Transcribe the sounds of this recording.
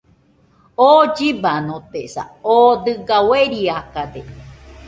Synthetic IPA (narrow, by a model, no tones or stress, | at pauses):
oːd͡ʒibanõt̪esa̰od̪ɨɡaweɾiakad̪e